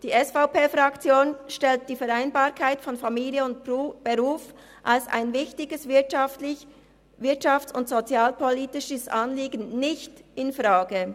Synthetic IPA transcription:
d̥iːʔɛsfaʊpeːfʁakt͡sjoːnʃtɛlt̚d̥iːfɛʁaɪnbaːʁkʰaɪtfɔnfamiːljəʊntːb̥əʁuːf | ʔalsa̰ɪnvɪçtɪɡəsvɪf | vɪɐtʃaftsʊntz̥ot͡sjaːlpʰoliːtɪʃəsʔɑnliːɡənnɪçtɪnfʁaːɡə

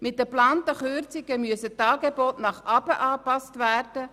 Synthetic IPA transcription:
mɪt̚d̥əplɑːntəχʏɾt͡sɪɡəmyəsətɑːɡeboːtnɑχʔɑbəʔɑːpɑstvæːrd̥ə

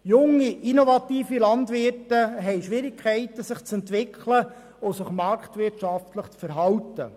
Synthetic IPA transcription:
jʊŋiʔinovɑt̪iːfilɑnd̪ʋɪtəɦɛɪʃʋɪɾɪkʰɛɪtəsɪχt͡sɛntʋɪkʰlə | osɪχmɑɾktʋɪtʃɑftləχt͡sfəɾɦɑwtə̰

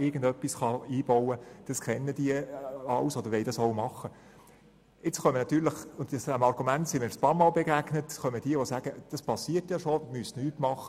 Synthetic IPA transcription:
ɪɡn̩dœpːisχɑiːb̥ɔwəd̥ɑskʰɛnːəd̥iəɑwsod̥̪əɾʋɛɪdɑsoʊmɑχə | ɪt͡sχœmənɑt̪yːləχʊntsdæmɑɾɡumæntsimɪɾəspɑːɾmɑːlbeɡæɡnətχœməd̥iəʋosæːɡ̥əd̥ɑspʰɑsːiːətjɑʃomystnyːtmɑχə

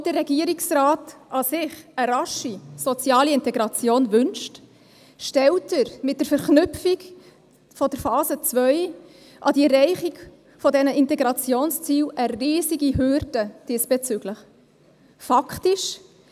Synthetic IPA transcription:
dərːɛɡiəɾiksraːtʔɑsɪχəɾɑʃisɔt͡sjɑːliɪntɛɡɾɑt͡sjoːnvʏnʃt | ʃtɛltəɾmɪt̚d̥əɾfɛɾχnʉpfik | fɔdəɾfɑːzət͡svœʏ | ʔɑdiɛɾːɛɪχiɡ | fɔdɛnəʔɪntɛɡɾɑt͡sjoːnst͡siːwʔəriːziɡiɦʏɾd̥əd̥iːsb̥ɛt͡syɡ̥ləχ | fɑktiʃ

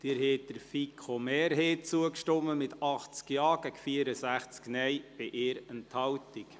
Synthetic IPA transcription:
d̪̥ɪːɾɦeːt̚d̥̪əɾfikʰomɛːɾɦeːt͡suəkʃtɔmːəmɪt̪ɑχt͡skjɑːɡ̥ækfiəɾəsæχt͡sknɛjb̥ɪʔeːɾənthɑwtik

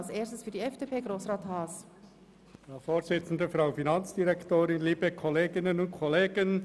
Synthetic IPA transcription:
lseːɾstəsfyɾdiɛfd̥eːpʰeːɡɾoːsrɑːthɑːs | jɑfoːɾsɪt͡sn̩d̪əfɾaʊfinɑnt͡sd̥iɾɛktoːɾɪnliːbəkʰɔleːɡɪnənʊntkʰɔleːɡ̥ən

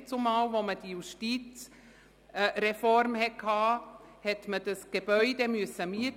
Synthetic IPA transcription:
t͡sumaːwvoməd̥ijuʃtiːt͡s | ɾɛfɔɾmhɛt̚kʰhɑː | hɛtmədəsɡ̥eb̥œʏdemyəsːəmiət

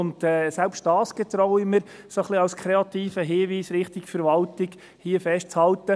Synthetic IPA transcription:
ʊntɛːsɛlpst̚d̥ɑːsɡ̥ɛt̪ɾɔʊɪmɪɾ | soχliɑlskʰɾeɑt̪iːfəɦɪːʋiːsɾɪχtɪkfɛɾʋɑltɪɡ | hiəfɛʃt̚t͡shɑltə

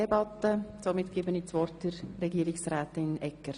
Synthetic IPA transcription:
ɛbɑtːəsomɪt̪ɡ̥ɪːbəniːt͡sʋɔrt̚d̥ɪɾrɛɡiəɾɪksɾɛːtɪnɛkːəɾ

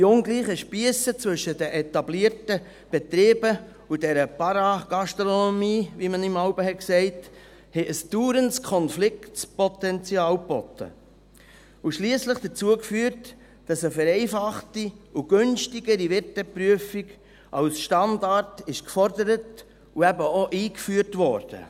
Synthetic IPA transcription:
d̥iʊnɡliːχəʃpiəsət͡svɵʃədɛʔɛtɑbliːəɾtə | b̥ɛt̪ɾeːbə | udɛɾəpɑɾɑɡ̥ɑstɾɔnomiːvimənɪmɑʊbəɦɛksɛɪt | hɛʔəsd̥uːɾənskʰɔnflɪktpɔtɛnt͡sjɑːlpɔ̰tːə̰ | uʃliːsləχd̥ət͡suəkfyːət | d̥ɑsəfɛɾɛɪfɑχtiuɡ̥ønʃtiɡəɾivɪtəpɾyəfiɡ | ʔɑlsʃtɑndɑɾtɪʃkfɔɾdəɾət | uæbəoʔiːkfyːəɾtvɔ̰ɾd̥ə̰

